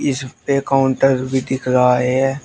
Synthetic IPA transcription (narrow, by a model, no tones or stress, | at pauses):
ɪspekaʊ̃ɳʈəɾbʱid̪ɪkʰɾaaeɦɛː